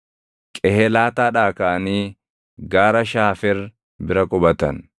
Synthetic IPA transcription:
kʼɛhɛlaːt̪aːᶑaːkaʔɐniː | ɡaːɾɐʃaːfɛɾ | bɪɾɐkʼɔbɐt̪ɐn

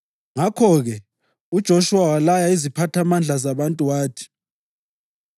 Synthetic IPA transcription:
ŋakʰɔɣɛ | ud̥ʒ̥ʱoʃuwawalajaizipʰatʰamand͡ɮʱazaβantʼuwaːtʰi̥

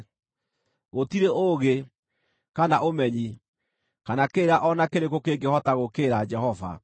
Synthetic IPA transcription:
ɣotiɾeʔoɣe | kanaʔomɛɲi | kanakeːɾaʔɔnakeɾekokeɡehɔtaɣokeːɾad͡ʒɛhɔva̰

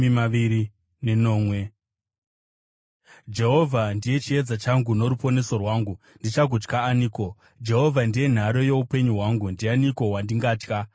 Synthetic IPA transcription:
imaiɾi | neno̞ːmwe | d͡ʒe̞ɦo̞vʱandije̞t͡ʃie̞d͡zat͡ʃaŋɡuno̞ɾupo̞ne̞so̞rwaːŋɡu | ndit͡ʃak̬ut͡ʃkaːniːko̞ | d͡ʒe̞ɦo̞vʱandije̞n̤aɾo̞je̞upe̞ɲuɦwaŋɡundianiko̞wandiŋɡaːt͡ʃka

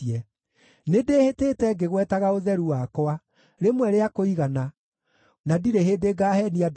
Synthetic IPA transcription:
ɛ | nedeheteːtɛɡeɣwɛtaɣaoðɛɾuwakɔa | ɾemwɛɾeakoiɣana | nadiɾeɦeːdeɡaːhɛniad

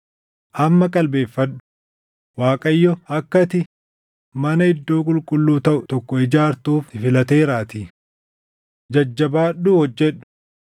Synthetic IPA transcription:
ʔɐmːɐkʼɐlbe̞ːfːɐᶑʊ̥ | waːkʼɐjːɔɐkːɐt̪ɪ | mɐnɐɪd̪ːoːkʼʊlkʼʊlːuːt̪ɐʔʊt̪ɔkːɔɪd͡ʒaːɾt̪uːfɪfɪlɐt̪e̞ːɾaːt̪ɪ | d͡ʒɐd͡ʒːɐbaːɗːuːhɔd͡ʒːɛᶑʊ̥

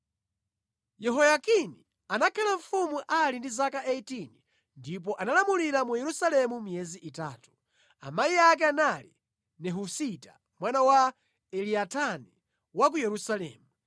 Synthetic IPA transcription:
jɛɦɔjakini | anakʰalaɱ̩fumuʔalindizakaʔeitini | ndip̬ɔʔanalamuliɾamujɛɾusalɛmumijɛziʔitaːtu̥ | a̰maiak̬ɛanalḭ | nɛɦusita | mwanawa | ɛliatʰani | wak̬ujɛɾusalɛ̰ːmu

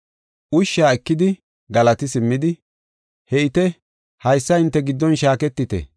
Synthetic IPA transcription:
ʔʊʃːaːɛkːɪd̪ɪ | ɡɐlɐt̪ɪsɪmːɪd̪ɪ | hɛɪt̪ɛ | hɐjsːɐɪnt̪ːɛɡɪd̪ːɔnʃaːkɛt̪ːɪt̪ɛ̰

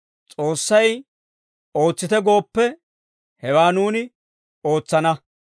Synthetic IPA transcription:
t͡sʼo̞ːsːɐj | o̞ːt͡sːɪt̪ɛɡo̞ːpːɛ | hɛwaːnuːnɪ | o̞ːt͡sːɐnɐ

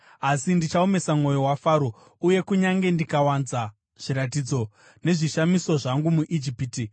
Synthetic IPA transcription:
asindit͡ʃaome̞samŋo̞jo̞wafaːɾo | uje̞kuɲaŋɡe̞ndikawanza | ʐ̥iɾat̬id͡zo̞ | ne̞ʐiʃamiso̞ʐaŋɡumuʔid͡ʒipiti

